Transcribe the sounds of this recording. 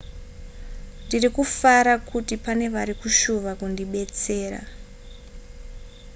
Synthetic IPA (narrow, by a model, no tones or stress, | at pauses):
ndirikufaɾakutipane̞ʋaɾikuʃuʋakundiɓe̞t͡se̞ːra̰